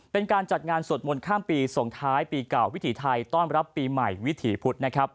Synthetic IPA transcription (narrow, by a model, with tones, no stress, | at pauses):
pe˧nkaː˧nt͡ɕa˨˩t̪̚ŋaː˧nsu˨˩t̪̚mo˧nkʰaː˥˩mpiː˧so˨˩ŋt̪ʰaː˦˥jpiː˧kla˨˩wi˦˥t̪ʰiː˩˦t̪ʰa˧jt̪ɔː˥˩nɾa˦˥pːiː˧ma˨˩jwi˦˥t̪ʰiː˩˦pʰu˦˥t̪̚na˦˥kʰɾa˦˥p̚